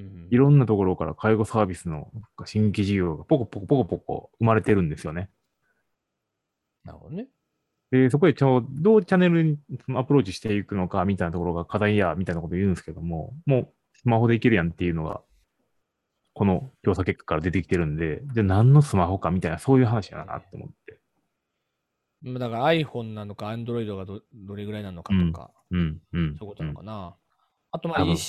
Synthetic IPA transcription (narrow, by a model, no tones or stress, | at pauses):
iɾõ̞nːat̪o̞ko̞ɾo̞ka̰ɾa̰kʰaiɡo̞saːbʲisɨno̞̰akaɕĩŋɡkʲiʑiɡ̞ʲo̞ːɡapo̞kopːokopokopoko̞̰ɯ̟maɾe̞t̪e̞ɾɯ̟̃nd̪e̞sɨjo̞ne̞ | na̰ɾɯ̰od̪oe | d̪̥e̞s̬o̞k̬o̞d̪e̞t͡ɕad̪o̞ːt͡ɕane̞ɾɯ̟ɲ̟isonoapɯ̟ɾo̞ːt͡ɕi̥ɕi̥t̪e̞ikɯ̟no̞kamʲit̪ainat̪oko̞ɾo̞ɡakad̪aijamʲit̪ainakot̪oijɯ̟̃ːneske̞ed̪o̞mo̞mo̞ː | sɨmaho̞d̪e̞ike̞ɾɯ̟jãnt̪ːe̞jɯ̟no̞ɡa̰ | ko̞no̞kʲo̞ːsake̞kːḁkːaɾad̪e̞t̪ekʲi̥t̪e̞ɾɯ̟nod̪e̞d͡ʑanãnːo̞sɨmaɦo̞kamʲit̪ainaso̞ːjɯ̟ːɦanaɕij̪a̰na̰na̰t̪ːeomo̞̰t̪ːe̞ | mad̪akaɾaːiɸõ̞nːanːokaãnd̪oɾo̞id̪o̞ɡaod̪o̞ɾe̞ɡɯ̟ɾainanokat̪õka̰ | ɯ̟̃ɴɯ̟̃ɴsojikot̪onaka̰na | at̪omaaɯ̃